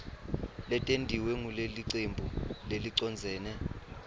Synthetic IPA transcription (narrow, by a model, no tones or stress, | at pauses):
lɛtʼendʱiwɛŋuleliǀembʱuleliǀɔnd͡zʱɛːnɛ